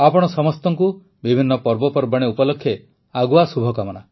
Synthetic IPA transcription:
apɔɽ̃ɔsɔmɔst̪ɔŋku | bibʱinːɔpɔɾbɔpɔɾbaɽ̃eupɔlɔkʰːje | aɡuasubʱɔkamɔna

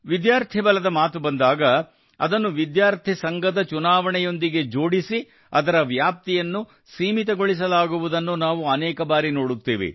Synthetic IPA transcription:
ʋid̪jaːɾt̪ʰibɐlɐd̪ɐmaːt̪ubɐnd̪aːɡɐ | ɐ̰d̪ɐnːuʋid̪jaːɾt̪ʰisɐŋɡɐd̪ɐt͡ʃunaːʋɐɳɛjo̞nd̪iɡe̞d͡ʒo̞ːɽisi | ɐd̪ɐɾɐʋjaːp̚t̪ijɐnːu | siːmit̪ɐɡoɭis̬ɐlaːɡuʋud̪ɐnːunaːʋuɐnɛːkɐbaːɾinoːɽut̪ːeːʋḛ

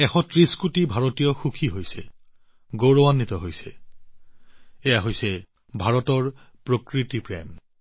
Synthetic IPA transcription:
ɛxɔtɹiskutibʱaɹotijɔxukʰiɦojsɛ | ɡoɹowanːitɔɦojsɛ̰ | ɛjaɦojsɛ | bʱaɹɔtɔɹpɹokɹitipɹɛ̰m

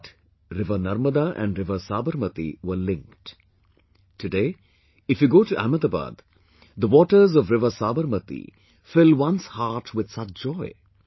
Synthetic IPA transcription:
ʈ | ɾɪʋənɐɾməd̪aʔɛ̰̃ɳɖɾɪʋəsaːbəɾmət̪ḭʋəlɪ̃ŋkʈ | ʈʰɨɖeː | ɪfjuɡoːʈuʔæ̰məd̪aba̰ːd̪ | d̪əʋɔːʈəɾzɔʋɾɪʋəsaːbəɾmət̪ḭ | fɪlwʌ̃nshaːɾʈwɪd̪̥sʌt͡ʃd͡ʒɔɪ

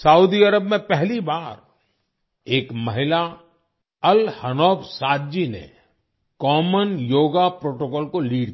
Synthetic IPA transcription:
sɐud̪iɐɾəbmẽpɛɦlibaːɾ | eːkmɐɦɪla | ɐlhɐnɔːbsaːd̪d͡ʒinḛ | kɔːmənjoːɡapɾoːʈokɔːlkoliːɽ

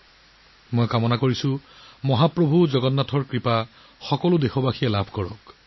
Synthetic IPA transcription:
mojkamɔnakoɹisʊ̃mɔɦapɹobʱuzɔɡɔnːatʰɔɹkɹipa | xɔkɔlʊdexobaxʰijɛlabʱkɔɹɔk

